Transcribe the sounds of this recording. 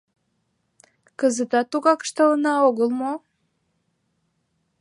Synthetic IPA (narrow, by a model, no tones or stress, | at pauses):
kəzət̪ɑt̪ːuɣɑkə̥ʃt̪ɑlənɑoɣəlˠmo